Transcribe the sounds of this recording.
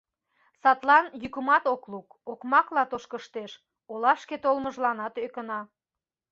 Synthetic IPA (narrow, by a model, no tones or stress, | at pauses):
sɑt̪lɑnjykəmɑt̪oklukokmɑklɑt̪oʃkəʃt̪eʃ | olɑʃket̪olməʒlɑnɑt̪økənɑ